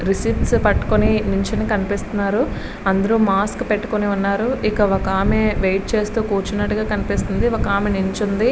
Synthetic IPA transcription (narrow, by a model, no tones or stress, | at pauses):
ɾisipspɐʈːu̥koniniɲt͡ʃɐnikɐnipist̪unːaːɾu | ɐnd̪ɐɾuːmaːskpeʈːu̥koniunːaːɾuʔikɐʋɔkaːmeʋejʈ̚t͡ʃe̞ːst̪uːkuːt͡ʃunɐʈːuɡaːkɐnipist̪und̪iʋokaːmeniɲt͡ʃund̪i